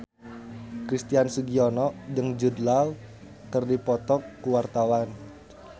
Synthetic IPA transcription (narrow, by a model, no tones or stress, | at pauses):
kɾist̪iansuɡiɔnɔʔd͡ʒəŋd͡ʒudlal | kərdipɔt̪ɔkːuwart̪awan